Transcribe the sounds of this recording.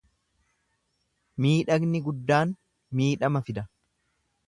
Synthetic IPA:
miːᶑɐɡnɪɡʊd̪ːaːn | miːᶑɐmɐfɪd̪ɐ

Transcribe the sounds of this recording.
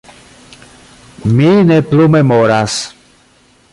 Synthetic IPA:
minɛplumɛmɔɾas

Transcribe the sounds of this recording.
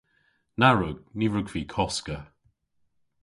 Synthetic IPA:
naɹʊɡ̥niɹʊɡv̥iːkʰɔskə

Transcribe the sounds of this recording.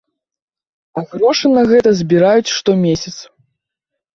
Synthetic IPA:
ɐɣɾɔʂɨnɐɣɛt̪ɐzʲbʲiɾajut͡sʲʂt̪ɔmʲesʲɐt̪s

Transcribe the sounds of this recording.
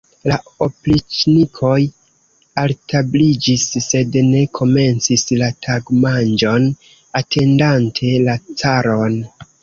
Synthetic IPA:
laoplit͡ʃnikʰo̞j | altablid͡ʒisːe̞dne̞kʰo̞me̞nt͡sislatʰaɡmand͡ʒo̞n | atʰe̞ndantʰe̞lat͡saɾo̞n

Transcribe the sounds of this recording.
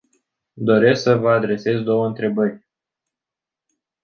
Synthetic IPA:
d̪o̞ɾe̞sksəvəad̪ɾe̞se̞zd̪o̞wəɨnt̪ɾe̞bərʲ

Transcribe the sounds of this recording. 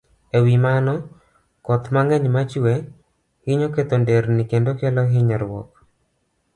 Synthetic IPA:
ewimanɔ | kɔt̪maŋɛɲmat͡ʃuwe | hɪɲoket̪ondeɾnikendokɛlɔɦɪɲɔɾwɔ̰k

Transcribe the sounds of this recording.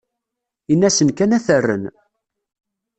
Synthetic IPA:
inːæsənkænæθərːə̰n

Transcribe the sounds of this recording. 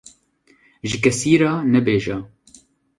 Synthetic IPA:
ʒɨkɛsiːɾɑːnɛbeːʒɛː

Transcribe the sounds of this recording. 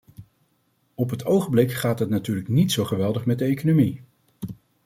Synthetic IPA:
ɔpɦətʰowχəmblɪkχaːtɦətnatyːɹləknitsowχəʋɛlˠdəχmɛt̚dəejkonomi

